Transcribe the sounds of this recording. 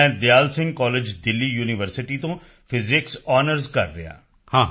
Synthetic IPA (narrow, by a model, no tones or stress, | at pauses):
ɛ̃d̪ejaːlsɪ̃ŋɡkɔːled͡ʒd̪ɪlːijuːnɪʋəɾsɪʈit̪õ | fɪzɪksɔːnəɾzkɐ̰ɾːɐ̰ja̰ː | hãː